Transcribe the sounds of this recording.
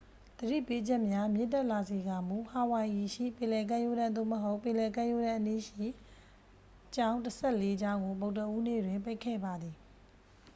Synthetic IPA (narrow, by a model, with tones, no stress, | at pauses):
d̪̥əɾḭ˦˨pe˦d͡ʑɛ˦ʔmja˦mjɪ̰˦˨tɛ˦ʔla˨ze˨ɡa˨mu˨ha˨wã˨ʔi˨ʃḭ˦˨pɪ̃˨lɛ˨k̬ã˦˨jo˦ɾã˦˨nd̪o̰˦˨məɦo˦ʊpːɪ̃˨lɛ˨kã˦˨jo˦ɾã˦˨ʔəni˦˨ʃḭ˦˨ | t͡ɕã˦ʊ̃ntəsʰɛ˦˨le˦d͡ʑã˦ʊ̃ŋɡo˨bo˨ʊtə˦ʔu˦nḛ˦˨dwɪ̃˨mpe˦ɪkʰːɛ̰˦˨ba˨d̪i˨